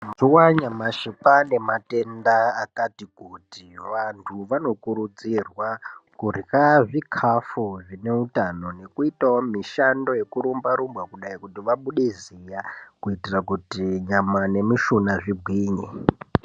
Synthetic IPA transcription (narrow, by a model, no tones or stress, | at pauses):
zuwaɲamaʃipane̞mate̞ndaːkatikutiʋantʰuʋano̞kuɾud͡zirwakuraʐikʰafoʐine̞utano̞ne̞kuitaomiʃando̞je̞kuɾumbaɾumbwakuɗaikutiʋaɓuɗezijakuitirakutiɲamane̞miʃunaʐibʱwiːɲe